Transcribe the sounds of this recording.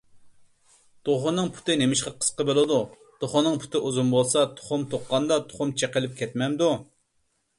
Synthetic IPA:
d̪̥oχʊnːɨŋpʰu̥t̪ɨnemɪʃqɑqʰə̥sqəbolˠɨd̪u | d̪̥oχʊnːɨŋpʰu̥t̪ʰɨʔuzumbolˠsɑt̪ʰo̥χʊmt̪ʰoqːɑnd̪ɑt̪ʰo̥χʊmt͡ʃʰeqəlˠɪp̚kʲʰɛt̪mɛmd̪u

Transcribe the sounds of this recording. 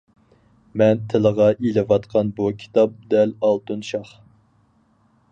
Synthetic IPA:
mɛnt̪ʰɪləʁɑʔilɪvɑt̪qʰɑnbukʲʰi̥t̪ʰɑp̚d̪ɛlɑlˠt̪unʃɑχ

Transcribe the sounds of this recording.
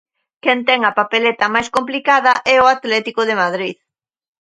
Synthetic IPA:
kɛnt̪ɛŋɐpapelet̪ɐmajskomplikaðɐʔɛʊat̪lɛt̪ikʊðemaðɾið

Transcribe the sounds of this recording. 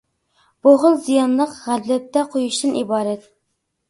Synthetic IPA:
b̥oʁəlˠzijɑnlˠəqʁællɛp̚t̪ɛqʰojuʃt̪ɨnʔibɑːɾɛt̪̚

